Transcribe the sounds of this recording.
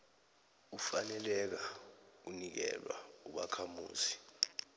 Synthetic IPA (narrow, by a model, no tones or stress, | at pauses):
ufanɛlɛk̬aunik̬ɛ̰lwa̰uɓa̰kʰamṵːzi